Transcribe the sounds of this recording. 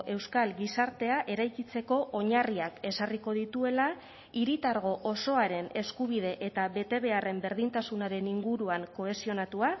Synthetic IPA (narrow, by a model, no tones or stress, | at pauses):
ʔe̞wskalɡisaɾt̪e̞aʔe̞ɾajkit͡se̞ko̞ʔoɲariake̞sariko̞ð̞it̪ue̞la | iɾit̪aɾɣ̞o̞ʔoso̞aɾe̞ne̞skuβ̞ið̞e̞ʔe̞t̪aβe̞t̪e̞βe̞are̞mbe̞ɾðint̪asunaɾe̞niŋɡuɾuaŋko̞e̞sio̞nat̪ua